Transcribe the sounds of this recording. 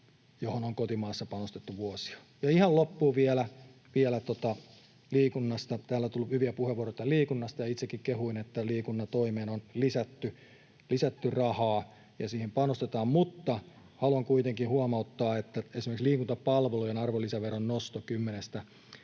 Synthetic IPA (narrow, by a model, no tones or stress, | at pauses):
johonoŋkot̪imɑːsːɑpɑnost̪et̪ːuʋuosi̥ɑ̥ | jɑihɑllopːuːʋiɛlæ | ʋiɛlæt̪ot̪ɑ | liːkunːɑst̪ɑt̪æːlːæt̪ulːhyʋiæpuheʋːuoroit̪ɑliːkunːɑst̪ɑjɑit̪sekːikkehuinet̪ːæliːkunːɑt̪oimeːnonlisæt̪ːy | lisæt̪ːyrɑhɑː | jɑsiːhempɑnost̪et̪ɑːmmut̪ːɑ | hɑluɑŋkuit̪eŋkihuɑmɑut̪ːɑːet̪ːæesimerksliːkunt̪ɑppɑlʋelujenɑrʋolisæʋeronnost̪okymːenest̪æ